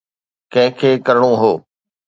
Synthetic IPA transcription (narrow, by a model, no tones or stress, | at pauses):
kɛ̃ɦɪ̃kʰeːkɐɾɽ̃oɦoː